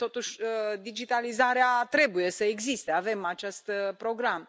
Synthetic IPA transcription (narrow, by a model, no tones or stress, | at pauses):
t̪o̞t̪uʃʲəd̪id͡ʒit̪alizaɾeat̪ɾe̞buje̞səeɡzist̪eave̞mat͡ʃest̪pɾo̞ɡɾam